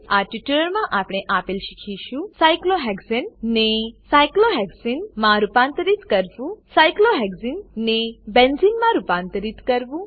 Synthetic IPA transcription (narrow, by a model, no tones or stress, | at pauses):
aʈiʈuləɾmãʔapɽ̃eʔapelʃikʰiʃũsajkloɦɛɡzennesajkloɦɛɡzinmãɾupãnt̪əɾit̪kəɾʋũsajkloɦɛɡzinnebenzinmãɾupãnt̪əɾit̪kəɾʋũ